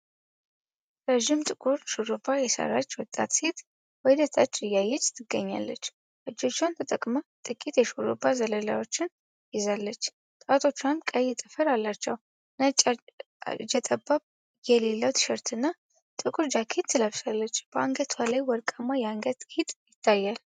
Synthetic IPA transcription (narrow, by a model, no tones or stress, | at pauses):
ɾəʒɪmt̪ʼɨkʼuɾʃuɾobajɛsə̰ɾat͡ʃːwɔt̪ʼːa̰t̪set̪ | wɔjd̪ət̪ʰʼat͡ʃʼːɪjajːɛt͡ʃːt̪ʰɨɡːəɲːa̰lːət͡ʃː | ʔɨd͡ʒːo̞t͡ʃːant̪ʰət̪ʼəkʼmət̪ʼɨkʼit̪jɛʃuɾobazələla̰wo̞t͡ʃːɪn | jɪzalːət͡ʃː | t̪ʼat̪ʰo̞t͡ʃːankʼəjɛt̪ʼɨfəɾalːat͡ʃːɛw | nat͡ʃʼa | d͡ʒɛt̪ʼəbaβ | jɛlelːəwt̪ʰʃɛɾt̪ʰɨnːa | t̪ʼɨkʼuɾd͡ʒakʰet̪ːɨlaβsalːət͡ʃːb̥əaŋɡət̪ʰwalajwɔɾkʼəmːajɛaŋɡət̪kʰit̪ʼjɪt̪ʰːajːal